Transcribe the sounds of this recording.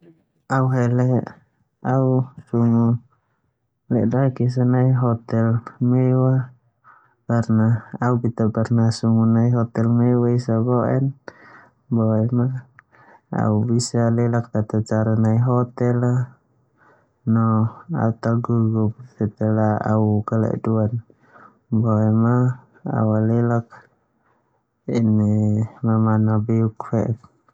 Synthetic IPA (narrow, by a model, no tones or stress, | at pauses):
auɦɛlɛ | ausuŋu | lɛdakis̬anaiɦɔt̪ɛlmɛwa | karnaaubit̪aparnasuŋunaiɦɔt̪ɛlmɛwaisabɔɛ̰n | bɔɛma | a̰ubisalɛlak̚t̪at̪at͡ʃaɾanaiɦɔt̪ɛla | nɔa̰ut̪aɡuɡup̚t̪ɛt̪ɛlaa̰ukalɛ̰ʔduan | bɔɛma | a̰walɛlak̚ | inɛmamanabɛukfɛɛt̪̚